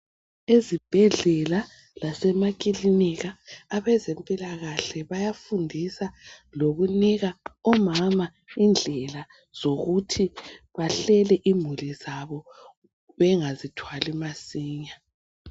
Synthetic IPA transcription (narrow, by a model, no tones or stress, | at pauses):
ezib̥ʱɛɮɛla | lasɛmak̬ʼiliniɣaːβɛzempʼilaɣaɬɛβajafundʱisaloɣuniɣaɔmama | ind͡ɮʱɛla | z̥oɣutʰiβaɬɛlɛʔimulizaβɔ | βɛŋazitʰwalimasiːɲa